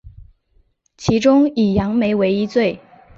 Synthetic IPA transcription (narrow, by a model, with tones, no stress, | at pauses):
t͡ɕʰi˧˥ʈ͡ʂʊ˥ŋi˨˩jɑ˧˥ŋme˧˥ɪwe˧˥ɪi˥t͡swe˥˩ɪ